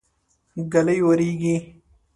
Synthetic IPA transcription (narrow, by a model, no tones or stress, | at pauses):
ɡɐlɐjːoːɾiːɡiː